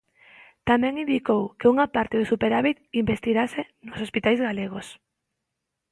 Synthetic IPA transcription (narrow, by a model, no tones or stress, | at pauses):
t̪amɛ̃ŋĩnd̪ikowkeuŋapaɾt̪eð̞osupeɾaβit̪imbest̪iɣase | nosospit̪ajzɣaleɣ̞os